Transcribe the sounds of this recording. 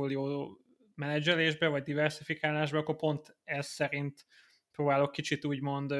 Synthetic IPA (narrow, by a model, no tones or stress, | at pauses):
uljoː | mɛnɛd͡ʒɛleːʒbɛvɒɟd̪ivɛrsifikaːlaːʒbɛɒkːo̞rpo̞nt̪ɛsːɛɾint̪ | proːbaːlo̞kːit͡ʃit̪uːɟmo̞nd̪